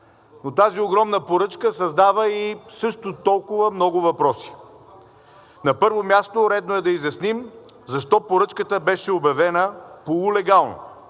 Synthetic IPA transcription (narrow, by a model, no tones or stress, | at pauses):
not̪azioɡɾɔmnəpoɾɤt͡ʃkəsɐzd̪avəisɤʃt̪ʊt̪ɔlˠkʊvəmnɔɡʊvɐpɾɔsi̥ | nɐpɤɾvomʲjast̪oɾɛd̪noɛd̪ɐizjɐsnim | zɐʃt̪ɔpoɾɤt͡ʃkət̪əbɛʃɛobjɐvɛnəpoulɛɡalˠno̰